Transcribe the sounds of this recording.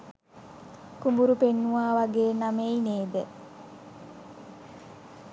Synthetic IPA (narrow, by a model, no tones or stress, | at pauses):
kumbuɾupenːuʋaːʋaɡeːnameineːd̪ə